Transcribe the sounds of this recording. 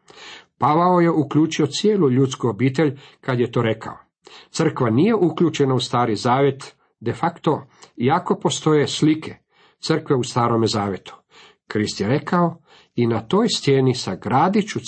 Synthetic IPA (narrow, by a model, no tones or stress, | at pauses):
paʋaoje̞ukʎuːt͡ʃio̞t̪sijeːluʎuːt̪skuobiːt̪e̞ʎkad̪jet̪o̞ɾe̞kʰa̰o | t̪sr̩kʋanije̞ʔuklʎuːt͡ʃe̞naust̪aːɾizaːʋje̞t̪ | d̪e̞fakt̪o̞iako̞po̞st̪o̞je̞slikʰe̞ | t̪sr̩kʋe̞ust̪aːɾo̞mezaːʋje̞t̪u̥ | kɾist̪jeɾe̞kʰao | inat̪o̞ːjst̪jeːnisaɡɾaːd̪it͡ʃu